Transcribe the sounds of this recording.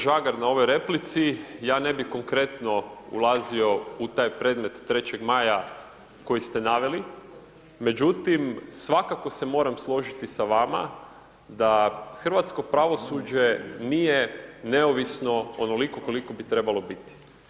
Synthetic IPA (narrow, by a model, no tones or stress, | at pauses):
ʒaɡaɾnao̞ʋo̞jɾe̞plit̪sijaːne̞bixko̞ŋkɾe̞t̪no̞ṵlˠazio̞ut̪aːjpɾe̞ːd̪met̪ːɾe̞t͡ɕeɡmaːja | ko̞jist̪e̞naʋe̞li | me̞d͡ʑut̪imsʋakako̞se̞mo̞ːɾamslˠo̞ʒit̪isaʋama̰ | d̪axər̩ʋat̪sko̞pɾaʋo̞sud͡ʑe̞nijeneoʋisno̞ono̞liko̞ko̞liko̞bit̪ɾe̞balo̞bit̪i̥